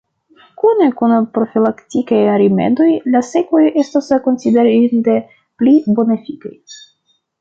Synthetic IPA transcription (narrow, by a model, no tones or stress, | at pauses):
kune̞kunpɾo̞filaktikajaɾimḛdo̞jlase̞ko̞je̞stasko̞nsideɾinde̞ | plibo̞nefikaj